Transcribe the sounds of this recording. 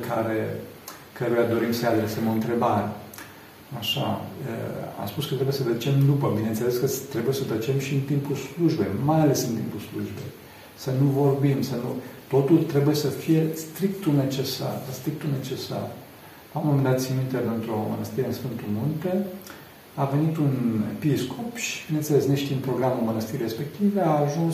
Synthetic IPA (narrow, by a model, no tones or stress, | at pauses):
kaɾe | kəɾujad̪o̞ɾimsəjad̪ɾesemo̞ɨnt̪ɾe̞baɾe | aʃa̰ə̰a̰mspuskət̪ɾebujesəd̪ət͡ʃe̞md̪upəbinent̪seleskət̪ɾe̞buje̞səd̪ət͡ʃe̞mʃiɨnt̪impulsluʒbejmajale̞sɨnt̪ḭmpulsluʒbḛj | sənuvo̞rbimsənut̪o̞t̪ult̪ɾe̞buje̞səfije̞st̪ɾik̚t̪une̞t͡ʃe̞sa̰rst̪ɾik̚t̪une̞t͡ʃe̞sa̰r | laomo̞mend̪at̪simint̪epent̪ɾomə̰nəst̪iɾeɨnsfɨnt̪ulmunt̪e | ave̞nit̪unepiskʰopʃi̥binent̪sele̞sneʃt̪impɾo̞ɡɾamulmənəst̪iɾɾespe̞k̚t̪iveaːʒuns